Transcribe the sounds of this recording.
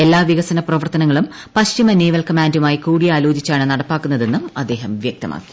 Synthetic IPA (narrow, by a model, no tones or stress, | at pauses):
elːaːʋiɣɐsɐnɐprɐʋɐrt̪ɐnɐŋːɐɭum | pɐɕt͡ɕimɐneːʋɐlkɐmaːndumaːjikuːɽijaːlo̞ːd͡ʑit͡ɕːaːɳɨnɐɽɐpːaːkːunːɐðe̞nːumɐd̪ːe̞ːɦɐmʋjɐk̚t̪ɐmʔa̰ːkːi̥